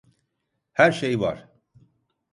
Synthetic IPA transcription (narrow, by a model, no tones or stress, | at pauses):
hæɾʃejva̰ɾ̥